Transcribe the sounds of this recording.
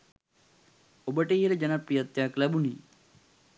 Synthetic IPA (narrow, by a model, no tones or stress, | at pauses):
obəʈəiɦələd͡ʒɐnapɾijət̪jaːklæbuniː